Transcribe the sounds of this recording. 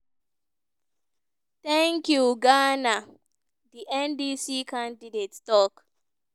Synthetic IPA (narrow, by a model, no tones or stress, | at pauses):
tɛ̃ŋkjuɡana | diʔɛ̃ndisikʰãndidetstɔk